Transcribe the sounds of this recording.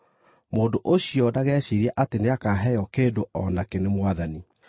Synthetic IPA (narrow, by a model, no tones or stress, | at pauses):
moːndoʔoɕijɔdaɣɛɕeɾiaʔateneakaːɦɛjɔkeːdoʔɔnakenemwaðani